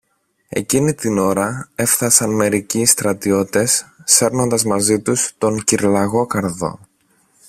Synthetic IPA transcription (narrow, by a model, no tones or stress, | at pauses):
e̞̰cinit̪ino̞ɾɐe̞fθɐsɐnme̞ɾicist̪ɾɐt̪io̞t̪e̞sːe̞ɾno̞nd̪ɐzmɐzit̪ust̪o̞ŋciɾlɐɣo̞kɐɾðo̞̰